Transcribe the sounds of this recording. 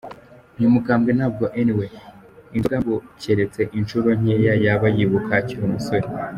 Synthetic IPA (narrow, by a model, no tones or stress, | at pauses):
numukaːmɡenavɡoʔeniwe | iuaβuceɾet͡se̞ʔinʃuɾo̞ɲ̥ejajaβajiβukaciɾumusoɾe